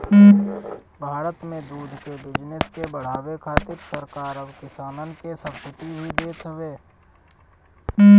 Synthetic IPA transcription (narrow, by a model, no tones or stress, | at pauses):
bʱaːɾət̪mẽd̪uːd̪ʱkebɪd͡ʒnɪskebəɽ̤aːwekʰaːt̪ɪɾsəɾkaːɾəbkɪsaːnənkesə̃kɪt̪iɦid̪eːt̪ɦəʋeː